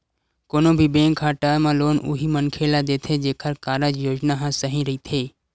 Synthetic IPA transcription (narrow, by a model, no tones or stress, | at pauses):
koːnobʱibẽːŋkʰːaːʈamãloːnʊ̰ɦimənkʰeːlad̪eːt̪ʰed͡ʒeːkʰəɾkaːɾəd͡ʒjoːd͡ʒnaɦãsəɦĩɾɐɦit̪ʰeː